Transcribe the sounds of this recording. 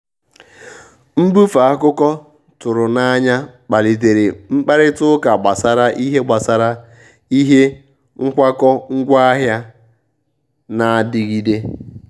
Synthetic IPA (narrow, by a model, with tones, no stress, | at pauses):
m̩˦bu˦fa˨a˦kʊ˦kɔ˦ | tʊ˨ɾʊ˨na˦ɲa˦k͡pa˨li˨te˨ɾe˨ŋ͡m̩˦k͡pa˦ɾɪ˦tʊ˦ka˨ɡ͡ba˨sa˨ɾa˦ʔi˦ɦe˦ɡ͡ba˨sa˨ɾa˦ | i˦ɦe˦ | ŋ̩˦kʷa˦kɔ˦ŋ̩˦ɡʷa˦a˦ɦja˦ | na˨dɪ˦ɡi˦de˦